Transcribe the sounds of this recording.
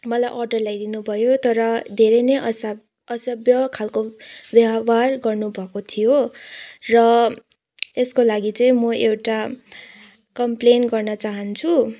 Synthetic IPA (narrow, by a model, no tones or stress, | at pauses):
mʌlajʔʌrɖʌrlajd̪inubʱʌjot̪ʌɾʌd̪ʱeɾʌjnʌjʔʌs | ʌsʌbjʌkʰalkobjʌwarɡʌrnubʱʌkot̪ʰijo | rʌ | eskolaɡit͡sʌĩmʌʔewʈa | kʌmplenɡʌrnʌt͡saɦʌnt͡sʰu